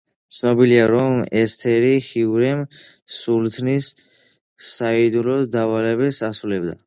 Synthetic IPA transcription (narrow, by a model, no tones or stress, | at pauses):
t̪sʰnɔbiliaɾɔmɛst̪ʰɛɾihiuɾɛm | sult̪ʰnisː | aid̪ulɔd̪avalɛbɛsasulɛbd̪a̰